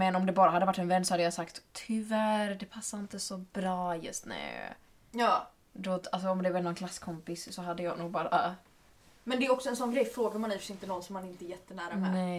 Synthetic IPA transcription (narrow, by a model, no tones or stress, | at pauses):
mɛnɔmd̪ɛbɑːɾaɦad̪ːəvaʈːɛnvɛnːsɔhad̪ːəjasakt̪ʰːʏvæɾd̪ɛpʰasːaɾɪnt̪əsɔbɾɑːjɵ̰st̪nʉ̰ː | jɑː | d̪ɔals̬ɔːmd̪ɛvɛɾnɔnkʰlasːkʰɔmpɪssɔɦad̪ːəjɑːɡnuːɡ̚bɑːɾa | mɛnd̪ɛæɾɔksɔɛnsɔnɡɾɛjfɾoːɡəmanifsɪnt̪ənɔnsɔmːanɛɾɪnt̪əɛjɛt̪ːənæːɾamɛnɛ